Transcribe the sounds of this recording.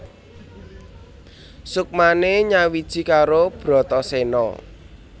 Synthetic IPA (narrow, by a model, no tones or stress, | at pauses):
suk̚maneɲawid̥ʒ̥i̤kaɾob̥ɾɔ̤t̪ɔsenɔ̰